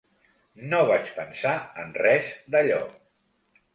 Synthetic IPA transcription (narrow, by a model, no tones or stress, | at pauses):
noβ̞at͡ʃpənsaənrɛzd̪əʎɔ̰